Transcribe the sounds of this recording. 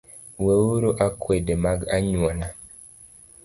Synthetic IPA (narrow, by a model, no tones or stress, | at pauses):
wewuɾuʔakwedemaɡaɲwɔna